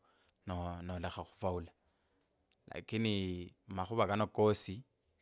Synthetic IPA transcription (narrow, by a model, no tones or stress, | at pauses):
nɔnɔlɛχaχʊ̥fauːla | la̰kʼɪnɪmaχʊbakʼanɔkʼoːsi